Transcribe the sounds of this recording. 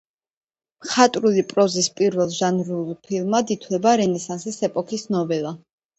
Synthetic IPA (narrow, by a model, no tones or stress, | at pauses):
mχat̪ʼɾulipʼɾɔzispʼiɾvɛlˠʒanɾulˠpʰilˠmad̪it̪ʰwlɛbaɾɛnɛsansisɛpʼɔkʰisnɔvɛlˠa